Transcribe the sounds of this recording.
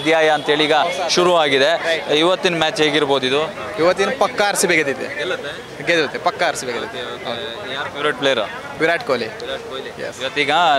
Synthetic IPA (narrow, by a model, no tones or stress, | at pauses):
d̪jaːjɐːnt̪ɐɦeːɭiːɡɐʃuɾuaːɡid̪eiʋɐt̪ːinɐmaːt͡ʃɦeːɡiɾboːd̪id̪u | iʋɐt̪ːinɐpɐkːɐːɾsibeɡɐd̪it̪ːḛlɐ | ɡed̪ilɐt̪ːepɐkːɐɐɾsibeɡɐd̪ḭt̪ːe | ɦɐː | pjuɾɐːʈ̚plejɐɾ | piɾaːʈkoːlijɛ̰siʋɐt̪ːiːɡɐ